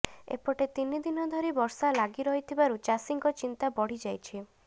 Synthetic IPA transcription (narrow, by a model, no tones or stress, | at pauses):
ḛpɔʈet̪inid̪inɔd̪ʱɔɾibɔɾsalaɡiɾɔɦit̪ʰibaɾut͡ʃasiŋkɔt͡ʃint̪abɔɽ̤id͡ʒajt͡ʃʰi